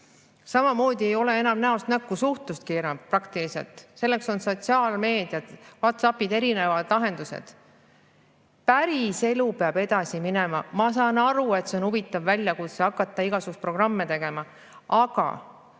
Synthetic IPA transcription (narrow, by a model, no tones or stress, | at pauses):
sɑmɑmo̞ːd̪̥ʲie̞jo̞le̞e̞nɑmnæost̪nækːusuht̪ust̪̚kiːɾɑprɑkt̪iliselt̪ˑse̞lːe̞kso̞nso̞t̪siɑːlme̞ːd̪̥ijɑd̪̥vɑt̪sɑpːid̪̥e̞ɾine̞vɑd̪̥lɑɦe̞nd̪̥usḛd̪̥ | pæɾise̞lupeɑbe̞d̪̥ɑsimine̞mɑmɑsɑːnɑɾue̞t̪se̞o̞nuvit̪ːˑɑvːælʲjɑkut̪seɑkːˑɑt̪ːˑɑiɡ̥ɑsukust̪pro̞ɡ̥rɑmːe̞t̪e̞ɡ̥e̞mɑ | ɑɡ̥ɑ̰